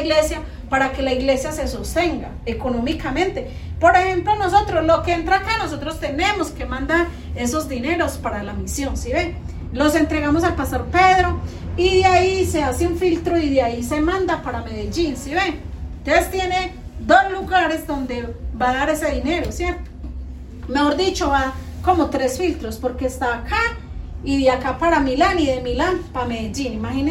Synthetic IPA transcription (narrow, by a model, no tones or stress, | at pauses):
iɣle̞sja | paɾake̞laiɣle̞sjase̞sost̪e̞ŋɡaekono̞mikamẽ̞nt̪e̞ | po̞ɾexe̞mplono̞so̞t̪ɾoslo̞keent̪ɾaːkano̞s̬o̞t̪ɾo̞st̪e̞ne̞moske̞mãnd̪aɾ | eso̞zd̪ine̞ɾo̞spaɾalamisjo̞nsiβen | lo̞se̞nt̪ɾe̞ɣamosalpast̪o̞ɾpe̞ðɾo | iðjaiseaseuɱfilt̪ɾoiðjaise̞mãnd̪apaɾameðed͡ʒinsiβent̪ɾest̪je̞ned̪osluɣaɾe̞zd̪o̞nd̪ebaðaɾe̞se̞ðine̞ɾosjeɾt̪o̥ | me̞xoɾd̪it͡ʃoβako̞mot̪ɾesfilt̪ɾospoɾkest̪aːkʰa | iðjakapaɾamilaniðe̞milanpameðed͡ʒinimaxine